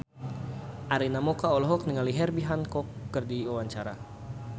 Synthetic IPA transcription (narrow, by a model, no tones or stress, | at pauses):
ʔaɾinamɔkaɔlɔɦɔk̚niŋaliɦɛrbiɦankɔkːərdiwawaɲt͡ʃaɾa̰